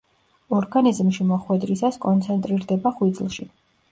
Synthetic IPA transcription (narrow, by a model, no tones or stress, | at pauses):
ɔɾɡanizmʃimɔχwɛd̪ɾisaskʼɔnt̪sʰɛnt̪ʼɾiɾd̪ɛbaχwid̪zlˠʃi